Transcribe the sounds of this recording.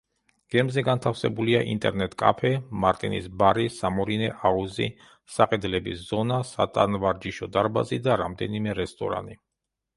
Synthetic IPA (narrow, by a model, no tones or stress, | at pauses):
ɡ̥ɛmzɛɡant̪ʰafsɛbuliaʔḭnt̪ʼɛɾnɛt̪ʼkʼa̰pʰɛmaɾt̪ʼinḭsbaɾisamɔɾinɛʔauzḭ | saqʼɛd̪lɛbiszɔnasa̰t̪ʼanvaɾd͡ʒiʃɔd̪aɾba̰zid̪aɾamd̪ɛnimɛɾɛst̪ʼɔɾa̰ni